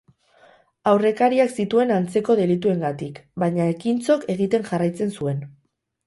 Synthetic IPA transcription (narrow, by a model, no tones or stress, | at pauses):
awre̞kaɾiaksit̪ue̞nant͡se̞ko̞ð̞e̞lit̪ue̞ŋɡat̪ikbajɲaekint͡so̞ke̞ɣ̞it̪e̞ŋʝarajt͡se̞nsue̞n